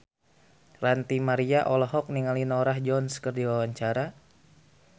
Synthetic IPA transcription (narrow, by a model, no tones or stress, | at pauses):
rant̪imaɾiaʔɔlɔɦɔk̚niŋalinoɾahd͡ʒɔnskərdiwawaɲt͡ʃaɾa